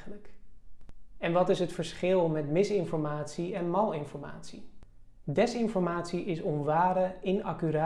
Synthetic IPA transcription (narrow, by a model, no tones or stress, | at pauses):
ələk | ɛnʋɑtɪsɦətfəɹsχɪlˠmɛtmɪsɪnfɔɹmaːtsiɛnmɑlˠɪnfɔɹma̰ːtsi | dɛsɪnfɔɹmaːtsiʔɪsɔnʋaːɾəɪnɑkyɾa